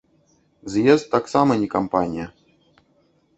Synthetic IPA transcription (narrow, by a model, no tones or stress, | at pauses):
zjɛzt̪ːaksamɐnʲikampanʲɪjə